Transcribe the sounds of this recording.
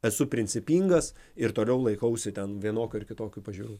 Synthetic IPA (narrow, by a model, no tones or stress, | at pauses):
ɛsʊpʲɾʲɪnʲt͡s̪ʲɪpʲiːŋɡɐsɪɾt̪oːlʲɛʊlˠɐɪkɐʊsʲɪt̪ʲɛnʋʲiɛnoːkʲɔːɪɾkʲɪt̪oːkʲʊpɐʒʲuːɾuː